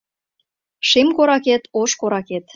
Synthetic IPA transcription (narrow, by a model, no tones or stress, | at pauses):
ʃemkoɾɑket̪oʃkoɾɑket̪